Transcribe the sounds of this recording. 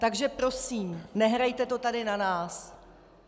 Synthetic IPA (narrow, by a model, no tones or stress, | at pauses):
t̪aɡʒɛpɾo̞siːmnɛɦɾajt̪ɛt̪o̞t̪adɪnanaːs